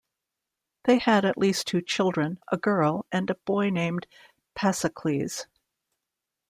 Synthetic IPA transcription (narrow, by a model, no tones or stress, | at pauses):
ðeɪɨɾɨʔˡlʔistʰʉt͡ʃʰɪlˠdɹɨ̃nə̰ɡɜ˞lˠʔɨ̃nɨb̥ɔɪnẽɪ̃m | pʰæsɨkʰl̥iz̥